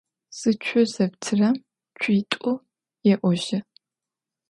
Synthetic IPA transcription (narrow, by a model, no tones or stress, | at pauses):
sɨt͡ʃʷʰʊzɐptʰɨrɐm | t͡ʃʷʰiːtʼʊ | jɛʔʷɔʒɪ